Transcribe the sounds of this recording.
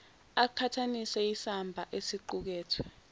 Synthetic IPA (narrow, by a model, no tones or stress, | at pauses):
akʰatʰanisɛisambʱaʔesiǃuk̬ɛːtʰwɛ